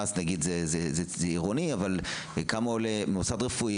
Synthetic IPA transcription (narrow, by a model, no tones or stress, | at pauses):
asnaɡid̪zezezezeiʁoniaval | kamolemeusadʁefu